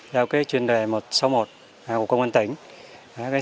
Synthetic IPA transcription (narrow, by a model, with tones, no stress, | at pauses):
zaː˧wkaː˨˦jt͡ɕwi˧ənve˨˩mo˨˩t̚sa˨˦wmo˨˩t̚ː | ku˧˩kːə˧wŋ͡mʔə˧nt̪ï˧˦ŋ̟ː˨ | kaː˨˦